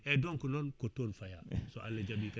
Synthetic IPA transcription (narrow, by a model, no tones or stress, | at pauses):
ɛdoŋkunɔnkotoːnfajasoʔaled͡ʒabika